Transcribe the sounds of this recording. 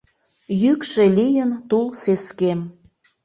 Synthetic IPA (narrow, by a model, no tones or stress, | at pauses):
jykʃe̽lʲijənt̪ulseskem